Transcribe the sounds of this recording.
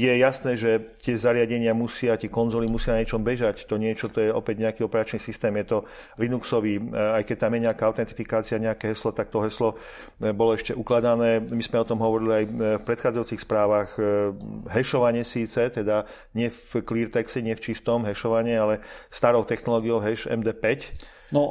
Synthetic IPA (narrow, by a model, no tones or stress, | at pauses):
jɛjasnɛːʒɛt̪ɪɛzaɾɪaɟɛɲɪamusɪat̪ɪɛkɔnzɔlimusɪanaɲɪɛt͡ʃɔmbɛʒact̪ɔɲɪɛt͡ʃɔt̪ɔjɛɔpɛɟɲɛakiɔpɛɾat͡ʃnisist̪ɛːmjɛt̪ɔ | linuksɔʋiːajkɛc̚t̪amjɛɲɛakaaʊt̪ɛnt̪ifikaːt͡siaɲɛakɛɦɛslɔt̪ak̚t̪ɔɦɛslɔ | bɔlɔɛʃcɛʔuklad̪anɛːmizmɛɔt̪ɔmɦɔʋɔɾiliajfpɾɛt̪xaːd͡zajuːt͡sixspɾaːʋax | ɦɛʃɔʋaɲɪɛsiːt͡sɛt̪ɛd̪a | ɲɪɛfkliːɾt̪ɛksɛɲɪɛft͡ʃist̪ɔmɦɛʃɔʋaɲialɛst̪aɾɔʊt̪ɛxnɔlɔːɡijɔʊɦɛʃɛ̰md̪ɛːpɛc | nɔ